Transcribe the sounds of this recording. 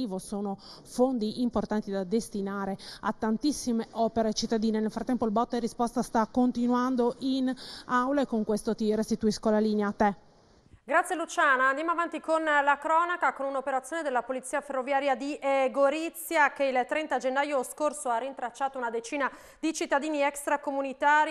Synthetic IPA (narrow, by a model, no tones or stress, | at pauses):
iːvosoːno | fond̪iʔimport̪ant̪id̪ad̪est̪inaːɾea̰t̪ːant̪isːimeʔɔːpeɾet͡ʃit̪ːad̪iːnenelfɾat̪ːɛmpoilbɔt̪ːerispɔst̪ast̪akːont̪inwand̪oʔinawlaekoŋkwest̪ot̪irest̪it̪uiskolaliːneaːt̪ːe | ɡɾat̪sjelut͡ʃaːnaːnd̪jamoavant̪ikonlakɾɔːnakakonunopeɾat̪sjoːned̪elːapolit̪sːiːaferːovjaːɾjad̪iʔeɡoɾit̪sːjakeilt̪ːɾɛnt̪ad͡ʒenːaːjoskorsoarːint̪ɾat͡ʃːaːt̪ounad̪et͡ʃiːna | d̪it͡ʃit̪ːad̪iːniɛkst̪ɾakomunit̪aːɾ